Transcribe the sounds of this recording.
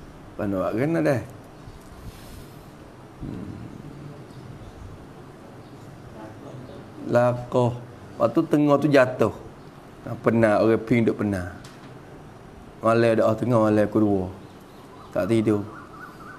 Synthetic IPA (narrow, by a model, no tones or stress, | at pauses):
panua̰ʔɡənadah | lakɔh | paʔt̪ut̪əŋɔht̪ud͡ʒat̪ʊh | ŋapənaoɣɛpɪŋdoʔpəna | malɛdaʔoht̪əŋɔhmalɛkuduɔ | t̪aʔt̪idʊ